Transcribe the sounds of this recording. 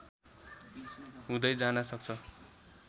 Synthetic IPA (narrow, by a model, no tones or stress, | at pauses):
ɦũd̪ʌjd͡zanʌsʌk̚t͡sʰʌ